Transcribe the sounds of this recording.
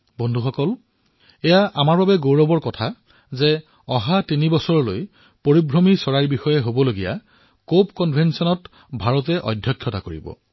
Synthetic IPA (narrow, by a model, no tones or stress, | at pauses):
bɔndʱuxɔkɔl | ɛjaʔamaɹbabɛɡoɹɔbɔɹkɔtʰa | zɛ | ɔ̃ɦatinibɔsɔɹɔlo̰j | poɹibʱɹomisɔɹajɹbixɔjɛɦobɔloɡija̰ | kopkɔnbʱɛnsɔnɔt | bʱaɹɔtɛʔɔ̰dʱjɔkʰːjɔtakoɹḭbɔ̰